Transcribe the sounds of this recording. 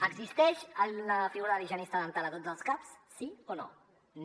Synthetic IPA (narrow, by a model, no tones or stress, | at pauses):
əɡzist̪ɛʃələfiɣuɾɐðəliʒonist̪aðənt̪alət̪ozəlˠskapsːiono̰ | n